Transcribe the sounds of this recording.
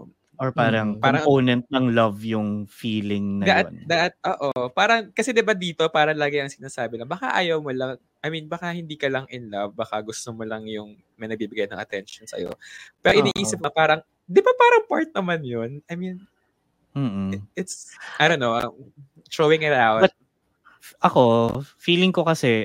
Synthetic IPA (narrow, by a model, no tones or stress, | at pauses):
ʔoɹpaːɾɐŋpːɾɐŋpoːnɛnt̪̚nɐŋlɐvjʊŋfiːlɪŋnɐd̪ɐʔand̪ɐʔat̪̚ʔoːʔopaːɾɐŋkɐsɛd̪ɪbad̪iːt̪o̞paːɾɐlaːɡɪʔɐŋsɪnaːsaːbɪlɐŋbɐka̰ʔaːjɐwmolɐŋ | ʔɐjminbɐkahɪnd̪iːkɐlɐŋʔɪnlɐvbɐkaɡʊst̪omolɐŋjʊŋ | mɐjnɐɡ̚biːbɪɡajnɐ̰ŋʔɐt̪ɛnʃonsɐ̰jo̰pɛːɾoʔɪniːʔiːsɪp̚ɐpaːɾɐŋ | d̪ɪbapaːɾɐŋpaɹt̪̚nɐmanjonʔɐjmin | m̩ːʔɪt̪saj̪onoʔɐ | t͡ʃowɛŋɐlawɐɐt̪̚ | ʔɐkofiːlɪŋkokɐsɛ